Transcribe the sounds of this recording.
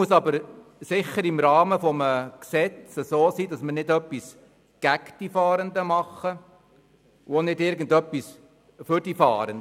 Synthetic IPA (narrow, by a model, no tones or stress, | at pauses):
uəsɑbəɾsɪχəɾɪmɾɑːməfɔməksɛt͡səsoːsiːdɑsməɾnɪdœpːis | ɡ̥ækd̥ifɑːɾəndəmɑχːə | uonɪdɪɾɡən̩dœpːis | fʏɾd̥ifɑ̰ːɾənd